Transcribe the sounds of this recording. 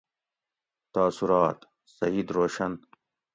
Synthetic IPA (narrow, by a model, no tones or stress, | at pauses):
t̪aːsuɾɑːt̪ | sɐiːd̪ɾoːʃɐn